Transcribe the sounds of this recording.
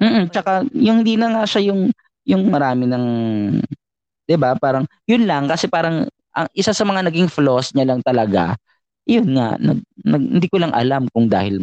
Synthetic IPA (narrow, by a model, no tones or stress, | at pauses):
m̩ːʔm̩t͡ʃɐkajʊŋhɪnd̪iːnɐŋaːʃɐjʊŋ | jʊŋmɐɾaːmɪnɐŋ | d̪̥ɪbapaːɾɐŋ | jʊnlɐŋkɐsɛpaːɾɐŋ | ʔɐ̰ŋʔɪsasɐmɐŋanɐɡɪŋflosɲalɐŋt̪ɐlɐɡa̰ | jonŋa̰nɐ̰ɡ̚nɐɡ̚hɪnd̪iːkolɐŋʔɐ̰lamkʊŋd̪a̰ːhɪl